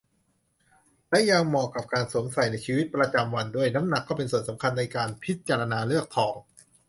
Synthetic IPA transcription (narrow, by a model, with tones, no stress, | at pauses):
lɛ˦˥ja˧ŋmɔː˧kːa˨˩p̚kaː˧nsu˨˩˦ŋsa˨˩jna˧jt͡ɕʰiː˧wi˦˥t̪̚pɾa˧t͡ɕa˧mwa˧ndu˥˩əjna˦˥mna˨˩kːɔː˥˩pe˧nsu˨˩ənsa˩˦mkʰa˧nːa˧jkaː˧npʰi˦˥t̪̚t͡ɕaː˧ɾa˧naː˧lɯ˥˩ək̚t̪ʰɔː˩˦ŋ